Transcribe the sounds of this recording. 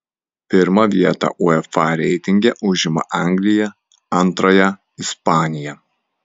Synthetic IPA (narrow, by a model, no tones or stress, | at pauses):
pʲɪɾmɐʋʲiɛt̪ɑ̰ʔʊɛfɑˑɾʲɛɪt̪ʲɪŋʲɡʲɛʔʊʒʲɪmɐ̰ʔɑˑŋʲɡlʲɪjɛ | ɐnˑt̪ɾɐjɛ | ɪspɑːnʲɪjɛ